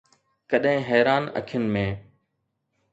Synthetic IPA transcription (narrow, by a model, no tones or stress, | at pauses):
kəɗɦɪ̃ɦɛːɾaːnə̰kʰjənɪmẽː